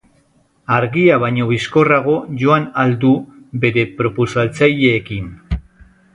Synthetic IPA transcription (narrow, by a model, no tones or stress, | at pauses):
aɾɣiaβ̞ajɲo̞β̞isko̞raɣ̞o̞ʝo̞anald̪u | be̞ɾe̞pɾo̞posalt͡saje̞ːkin